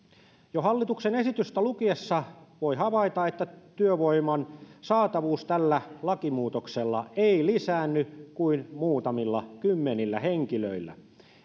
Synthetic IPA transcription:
johɑlːit̪uksenesit̪yst̪ælukiesːɑʋoihɑʋɑit̪ɑet̪ːæt̪yøʋoimɑnsɑːt̪ɑʋuːst̪ælːælɑkimuːt̪okselːɑeilisæːnːykuinmuːt̪ɑmilːɑkymːenilːæheŋkilø̰ilːæ̰

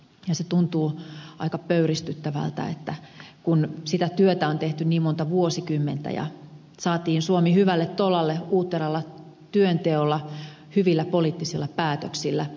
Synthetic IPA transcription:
jɑset̪unt̪uːɑ̰ikɑpøyrist̪yt̪ːæʋæ̰lt̪æ̰ḛt̪ːækunsit̪æt̪yøt̪æont̪eht̪ynniːmmont̪ɑʋuosikymːent̪æ̰jɑ̰ | sɑːt̪iːnsuomihyʋælːet̪t̪olɑlːeuːt̪ːerɑlːɑ | t̪yønt̪eolːɑ | hyʋilːæpoliːt̪ːisilːɑpæːt̪øksilːæ

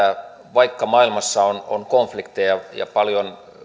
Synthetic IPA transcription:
æ | ʋɑikːɑmɑilmɑsːɑono̰nkoɱflikt̪ejɑjɑ̰pɑljon

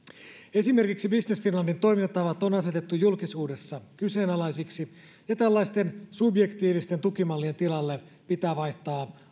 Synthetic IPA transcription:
e̞sime̞rkiksibisnesfinlɑndint̪o̞jmint̪ːɑʋɑt̪ːonɑse̞t̪e̞t̪ːujulkisuːde̞sːɑkyse̞ːnɑlɑjsiksi | jɑt̪ælːɑjst̪e̞nsubje̞kt̪iːʋist̪e̞nt̪ukimɑlːie̞nt̪ilɑlːe | pit̪æːʋɑjht̪ɑː

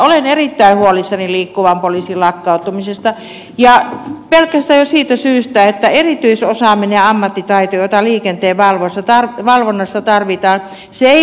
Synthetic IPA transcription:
olenerit̪ːæihuolisːɑniliːkːuʋɑmpoliːsilɑkːɑˑut̪umisest̪ɑ | jɑpelkˑæst̪æjjosiːt̪æsyːst̪æet̪ːæerit̪yisosɑːˑmineɑmːɑt̪ːit̪ɑit̪ojot̪ɑliːkent̪eːʋɑlʋosːɑt̪ɑrʋɑlʋonːɑsːɑt̪ɑrʋit̪ɑːn | seei

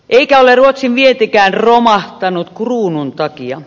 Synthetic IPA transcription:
ʔeikæoleruot̪siʋʋiet̪ekæːnromɑht̪ɑnut̪kruːnunt̪ɑkiɑ̰

